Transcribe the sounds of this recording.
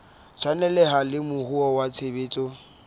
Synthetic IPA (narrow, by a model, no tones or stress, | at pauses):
t͡sʰwanɛlɛɦalɪmʊhuɔwat͡sʰebeːt͡sʼɔ